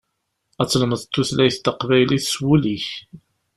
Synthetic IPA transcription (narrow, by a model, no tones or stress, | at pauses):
æt͡sːləməðt̪ːuθlæjəθt̪ːəqvæjliθswuliç